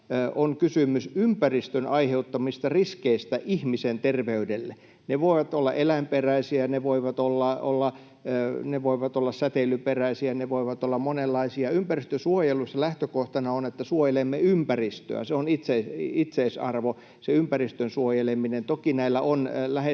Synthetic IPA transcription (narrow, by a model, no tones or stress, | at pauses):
ʔoŋkysymysympærist̪ønɑiheut̪ːɑmist̪ɑriskeist̪æʔihmisent̪erʋeydelːe | neʋoiʋɑt̪olːɑ̰ʔelæmperæisiæneʋoiʋɑt̪olːɑo̰lːɑ | neʋoiʋɑt̪olːɑssæt̪elyperæisiæneʋoiʋɑt̪olːɑmmonelːɑisiɑympærist̪øsuojelːˑusselæht̪økoht̪ɑnɑonet̪ːæsuojelemːeympærist̪ø̰æ̰seonit̪seiit̪seisɑ̰rʋo | seympærist̪ønsuojeleminent̪okinæilːæonlæhe